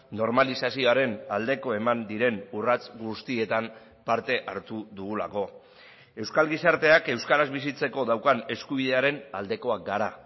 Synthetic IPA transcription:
no̞ɾmalisasio̞aɾe̞nald̪e̞ko̞e̞mand̪iɾe̞nurat͡sɡust̪ie̞t̪am | paɾt̪e̞ʔaɾt̪uðuɣula̰ko̞ | e̞wskalɣisaɾt̪e̞ake̞wskaɾazβisit͡se̞ko̞ðawkane̞skuβ̞iðe̞aɾe̞nald̪e̞ko̞ak̚ɡaɾa

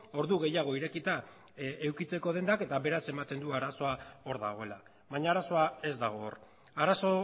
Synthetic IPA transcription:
o̞ɾðuɣe̞jaɣ̞o̞iɾe̞kit̪a | ewkit͡se̞ko̞ð̞e̞nd̪ake̞t̪aβe̞ɾase̞mat̪e̞nd̪uaɾaso̞ao̞ɾðaɣ̞o̞ela | βaɲaːɾaso̞ae̞zd̪aɣ̞o̞r | aɾaso̞

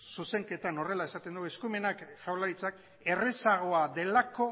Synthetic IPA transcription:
suse̞ŋke̞t̪ano̞re̞lae̞sat̪e̞nd̪ue̞skume̞nakfawlaɾit͡sak | e̞resaɣ̞o̞aðe̞lako̞

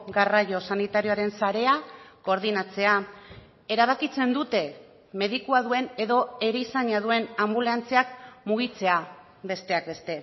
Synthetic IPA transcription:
ɡarajo̞sanit̪aɾio̞aɾe̞nsaɾe̞ako̞ɾð̞inat͡se̞a | e̞ɾaβ̞akit͡se̞nd̪ut̪e̞ | me̞ðikuaðue̞ne̞ðo̞e̞ɾeisaɲaðue̞nambuleant͡seakmuɣit͡se̞a | be̞st̪e̞ak̚be̞st̪e̞

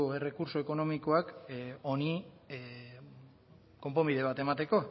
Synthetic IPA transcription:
oe̞re̞kuɾso̞e̞ko̞no̞miko̞ako̞ni | ko̞mpo̞mbiðe̞β̞at̪e̞mat̪e̞ko̞

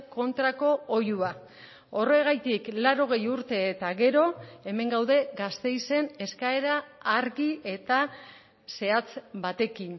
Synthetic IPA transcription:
ko̞nt̪ɾako̞ojua | o̞re̞ɣajt̪iklaɾo̞ɣ̞e̞juɾt̪e̞ːt̪aɣe̞ɾo̞e̞me̞ŋɡawðe̞ɣast̪e̞jse̞ne̞skae̞ɾaːɾɣie̞t̪a | se̞at͡sbat̪e̞kin

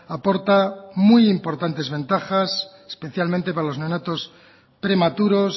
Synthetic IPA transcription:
apo̞ɾt̪amujimpo̞ɾt̪ant̪e̞zβe̞nt̪axas | e̥spe̞θjalmẽnt̪e̞paɾalo̞znonat̪o̞s | pɾe̞mat̪uɾo̞s

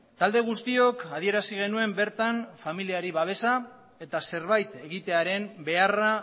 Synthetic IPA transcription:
t̪ald̪e̞ɣ̞ust̪io̞kað̞ie̞ɾasiɣ̞e̞nue̞mbe̞ɾt̪anfamiliaɾiβaβ̞e̞sa | e̞t̪ase̞ɾβajt̪e̞ɣit̪e̞aɾe̞mbe̞ara

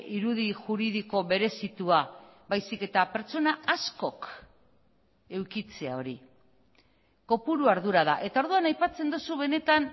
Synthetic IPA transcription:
iɾuðiʝuɾiðiko̞βe̞ɾe̞sit̪uaβajsike̞t̪ape̞ɾt͡so̞naasko̞k | e̞wkit͡se̞a̰o̞ɾi | ko̞puɾuaɾðuɾaða̰ʔe̞t̪ao̞ɾðuanajpat͡se̞nd̪osuβe̞ne̞t̪an

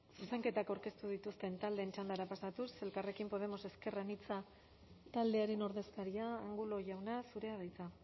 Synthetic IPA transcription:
suse̞ŋke̞t̪akawɾke̞st̪uðit̪ust̪e̞nt̪ald̪e̞ːnt͡ʃand̪aɾapasat̪use̞lkare̞kimpo̞ð̞e̞mo̞se̞ske̞ranit͡sa | t̪ald̪e̞aɾe̞no̞ɾðe̞skaɾiaːŋɡulo̞ʝawnasuɾe̞aðajt͡sa

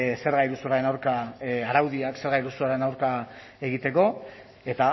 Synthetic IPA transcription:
se̞ɾɣajɾusuɾaɾe̞nawɾkaaɾawðiakse̞ɾɣajɾusuaɾe̞nawɾka | e̞ɣit̪e̞ko̞ | e̞t̪a

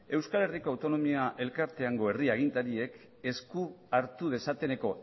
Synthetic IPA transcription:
e̞wskale̞riko̞awt̪o̞no̞miaʔe̞lkaɾt̪e̞aŋɡo̞e̞riaɣ̞int̪aɾie̞k | e̞skuaɾt̪uðe̞sat̪e̞ne̞ko̞

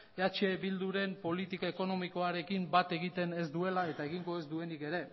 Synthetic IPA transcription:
eat͡ʃe̞bild̪uɾe̞mpo̞lit̪ikae̞ko̞no̞miko̞aɾe̞kimbat̪e̞ɣit̪e̞ne̞zd̪ue̞lae̞t̪ae̞ɣiŋɡo̞e̞zd̪ue̞nike̞ɾe̞

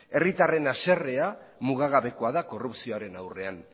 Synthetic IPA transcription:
e̞rit̪are̞nase̞re̞amuɣaɣaβe̞ko̞aðako̞rupsioaɾe̞nawre̞an

